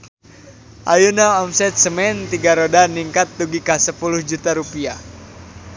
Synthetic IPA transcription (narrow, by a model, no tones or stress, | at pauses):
ʔajunaɔmsɛt̪̚səmɛnt̪iɡaɾodaniŋkat̪̚ːuɡikasəpuluhd͡ʒut̪aɾupia